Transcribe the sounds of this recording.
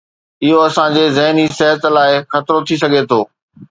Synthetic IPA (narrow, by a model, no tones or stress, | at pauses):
ɪɦoɐsãd͡ʑeːzɐɦniseɦət̪laːɪxɐt̪ɾot̪ʰis̬ɐɡʱet̪ʰoː